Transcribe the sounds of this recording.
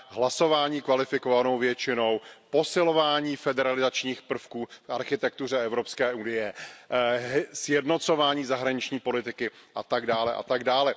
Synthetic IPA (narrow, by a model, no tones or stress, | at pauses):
ɦlaso̞vaːɲiːkvalɪfɪkovano̞wvjɛt͡ʃɪno̞wpo̞sɪlo̞vaːɲiːfɛdɛɾalɪzat͡ʃɲiːxpr̩fkuːfʔaɾxɪt̪ɛk̚t̪ur̝ɛʔɛvɾo̞pskɛːʔunɪjɛ | sjɛdno̞t̪t͡so̞vaːɲiːzaɦɾaɲɪt͡ʃɲiːpo̞lɪt̪ɪkɪʔat̪aɡdaːlɛʔa̰t̪aɡdaːlɛ